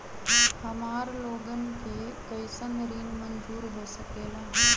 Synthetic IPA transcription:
hɐmaːɾloːɡənɪ̆kʰeːkɐjɪsənɾiːnmɐnd͡ʒuːɾɦoːsəkeːlãː

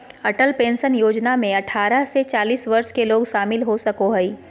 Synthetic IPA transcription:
ɐʈəlpẽːnsənjoːd͡ʒnamẽɐʈʰaːɾəset͡ʃaːliːsʋɐɾʃkeloːɡʃaːmɪlɦosɐkoɦɛiː

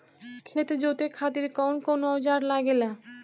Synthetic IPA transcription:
kʰet̪ed͡ʑot̪ekʰat̪iɾkawnkonoɔd͡ʑaɾlaɡela

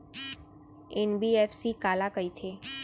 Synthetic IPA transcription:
enbiefsikalakəit̪ʰe

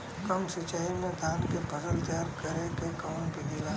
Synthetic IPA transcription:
kəmsɪt͡ʃaːimẽd̪ʱãːʈkebʱəsəld͡ʒaːɾkəɾekekankidila

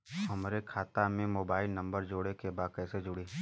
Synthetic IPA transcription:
ɦɐmɾekʰaːt̪amẽmoːbaːɪlnɐ̃mbəɾd͡ʒoːɽekebaːd̪̚kɛːsed͡ʒʊɽeː

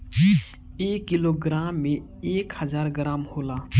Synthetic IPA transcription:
eːkːɪloːɡɾaːmːẽ | eːkhəzaːɾɡɾaːmhoːlaː

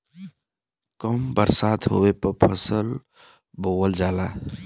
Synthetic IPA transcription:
kəmbəɾsaːt̪ɦo̰ːwepəpʰəsəl | boːwəld͡ʒaːlaː

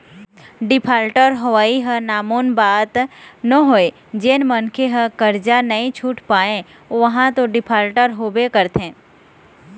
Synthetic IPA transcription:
ɖɪpʰaːlʈəɾɦɐʋaːiɦə̃naːmoːnbaːt̪nəɦoːe | d͡ʒeːnmənkʰeɦə̃kəɾd͡ʒanɐĩt͡ʃʰuːʈpaːẽ | ʋəɦãt̪oɖɪpʰaːlʈəɾɦoːbekəɾt̪ẽː

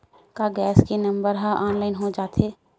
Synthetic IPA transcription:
kaɡɛːskinɐ̃mbəɾɦaʔɔːnlaːɪnɦod͡ʒaːt̪eː

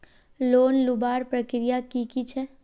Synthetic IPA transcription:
loːnlʊbaːɾpɾəkɾijakikit͡ʃʰɛ

